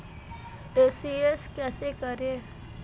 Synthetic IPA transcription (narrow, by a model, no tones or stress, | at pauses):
esieskɛsekəɾe